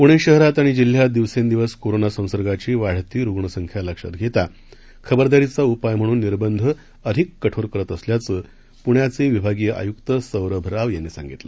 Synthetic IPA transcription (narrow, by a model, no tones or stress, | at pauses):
puɽ̃eɕəɦɾat̪aɽ̃id͡ʑil̤ːjad̪iʋsend̪iʋəskoɾonasə̃w̃səɾɡat͡ɕiːʋaɽ̤t̪iːɾuɡɳəsəŋkʰjaləkʂa̰t̪ɡʱet̪a | kʰəbəɾd̪aɾit͡saupajm̤əɽ̃uːnːiɾbənd̪ʱə | əd̪ʱikːəʈʰoɾkəɾət̪əsljat͡səː | puɳjat͡seʋibʱaɡijəʔa̰jukt̪əsəʋɾəbʱəɾaʋjanːisã̰ŋɡit̪la̰